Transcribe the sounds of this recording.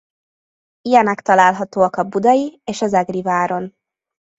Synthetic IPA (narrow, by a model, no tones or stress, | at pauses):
ijɛnɛkt̪ɒlaːlɦɒt̪oːɒkɒbud̪ɒjieːʃɒzɛɡrivaːɾo̞n